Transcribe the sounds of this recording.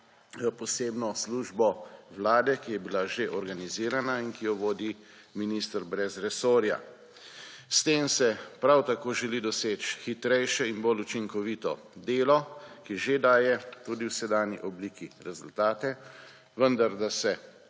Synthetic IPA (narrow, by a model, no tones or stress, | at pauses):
pɔseːbnɔsluːʒbɔwlaːd̪ɛkijɛbilaʒeʔɔɾɡaniziːɾanainkijɔʋoːd̪i | minist̪ɾbɾɛzɾɛsoːɾja̰ | st̪eːmsɛpɾawt̪akoːʒɛlid̪ɔseːt͡ʃxit̪ɾɛjʃɛinbolut͡ʃiŋkɔʋit̪ɔ̰ | d̪eːlɔkiʒed̪aːjɛt̪uːd̪iwsɛd̪aːnjḭʔɔbliːkiɾɛzult̪aːt̪ɛ | ʋənd̪aɾd̪asɛ